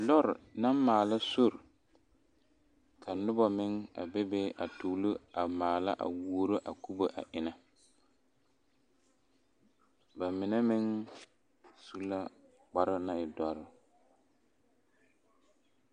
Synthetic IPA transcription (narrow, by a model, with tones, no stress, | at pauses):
lɔ˦ɾɪ˨na˦m˦maː˨la˦so˦˨ɾ | kʰa˨nʊ˦ba˨mɪ˦ŋa̰˨bɛ˦be˦ʔa̰˨to˨lu˦a˨maː˨la̰˦ʔa̰˨wu˦o˦ɾo˦ʔa˨ku˦bo˦ʔa̰˨ʔɪ˦na˦ | ba˨mɪ˨nɛ˦mɪ˦ŋ | su˦la˦ | k͡pa˦ɾɪ˦na˦ɪ˨dɔ˨ɾɪ˦˨